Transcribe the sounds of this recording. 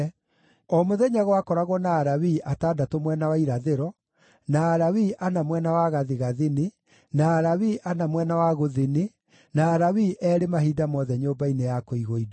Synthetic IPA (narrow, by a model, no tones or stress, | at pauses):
ɔmoðɛɲaɣɔwakɔɾaɣwɔnaːɾawiʔataːdatomwɛnawaiɾaðeɾɔ | naːɾawiʔanamwɛnawaɣaðiɣaðine | naːɾawiʔanamwɛnawaɣoðene | naːɾawiʔɛɾemaɦiːdamɔðɛɲoːmbainejakoiɣoida